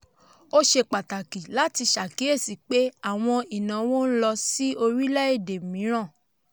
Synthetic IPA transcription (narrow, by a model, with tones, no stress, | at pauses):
o˦ʃe˧˨k͡pa˨ta˨ki˨la˨˦ti˧ʃa˨ki˨˦e˦˨si˨k͡pe˨˦a˦˨w̃ɔ̃˧i˨nã˨˦wo˦n̩˦lɔ˧si˦o˧ɾi˦lɛ˦e˦˨de˨mĩ˨˦ɾ̃ã˦˨